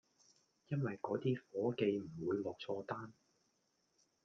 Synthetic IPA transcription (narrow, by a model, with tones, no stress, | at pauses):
jɐ˥nwɐ˨jkɔː˨˥t̪iː˥fɔː˨˥ke˧jm̩˨˩wuː˨˧jlɔː˨k̚t͡sʰɔː˧t̪aː˥n